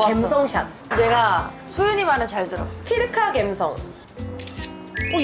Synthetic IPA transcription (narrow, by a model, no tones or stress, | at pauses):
emsʰʌŋɕʰa̰n | neɡa | sʰojuɲimanɯt͡ɕaɭtɯɾʌkʰiɾɯkʰaɡemsʰʌ̰ŋ | o